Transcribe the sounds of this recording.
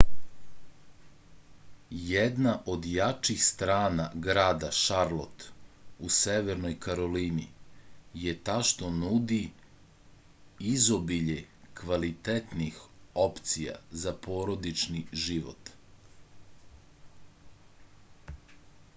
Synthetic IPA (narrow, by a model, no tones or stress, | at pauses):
jed̪naʔo̞d̪jat͡ʃixst̪ɾaːnaɡɾaːd̪aʃaɾlˠo̞t̪useʋeɾno̞jkaɾo̞linḭ | jet̪aʃt̪o̞nud̪i | izobiʎekʋalit̪et̪nixopt̪sija̰zapo̞ːɾo̞d̪it͡ʃniʒiʋo̰t̪